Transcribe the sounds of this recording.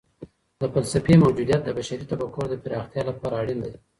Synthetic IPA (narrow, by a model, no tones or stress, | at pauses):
d̪əfalsafemawd͡ʒud̪ijat̪̚d̪əbaʃaɾit̪abakoɾd̪əpɪɾɑxt̪jɑlapɑɾaːɽind̪aj